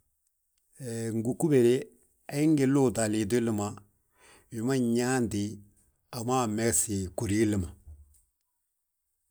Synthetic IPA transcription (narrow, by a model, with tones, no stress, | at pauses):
ŋ˨ɡu˨ku˦be˨ɾe˦ | a˦ɪ˦ŋ˦ɡɪ˦lo˦˨da˨lɪ˨dʊ˦lɪ˦ma˨ | wɪ˨ma˦ɲaː˦ndɪ˨˦ | a˨ma˦˨mɛ˦ɡsɪ˨ku˨ɾi˦lɪ˦˨ma˨